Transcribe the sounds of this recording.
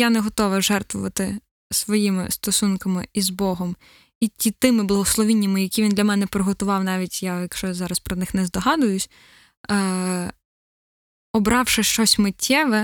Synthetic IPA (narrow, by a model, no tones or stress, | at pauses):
janɛɦɔt̪ɔʋɐʒɛrt̪ʋʊʋɐt̪ɪ | sʋɔjimɪ̰st̪ɔsunkɐmɪ̰izbɔɦɔm | itʲit̪ɪmɪblˠɐɦɔslˠɔʋʲinʲːɐmɪjɐkʲiʋʲind̪lʲɐmɛnɛpɾɔɦɔt̪ʊʋɑwnɑʋʲitʲjajɐkʃt͡ʃɔzɑɾɐspɾɔnɪxnɛzd̪ɔɦɑd̪ʊjʊsʲ | ɔbɾɑwʃɪʃt͡ʃɔsʲmɪtʲʰːɛʋɛ